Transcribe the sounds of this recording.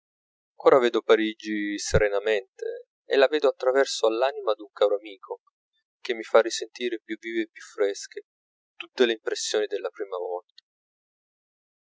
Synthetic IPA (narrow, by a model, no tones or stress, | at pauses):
oːɾaveːd̪opaɾid͡ʒiseɾenament̪e | ḛlːavɛːd̪oat̪ːɾavɛrsoalːaːnimad̪uŋkaːɾoamiːkʰo | k̟emːifarːisent̪iːɾepjuviːveːpːjufːɾɛsk̟e | t̪ut̪ːeleimpɾesːjoːnid̪elːapɾiːmavɔlt̪ḁ